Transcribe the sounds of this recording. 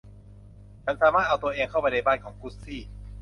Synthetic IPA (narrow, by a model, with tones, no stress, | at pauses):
t͡ɕʰa˦˥nsaː˩˦maː˥˩t̪̚a˧wt̪u˧ɐʔeː˧ŋkʰa˥˩wpa˧jna˧jbaː˥˩nkʰɔː˩˦ŋkʰuː˦˥t̪̚siː˥˩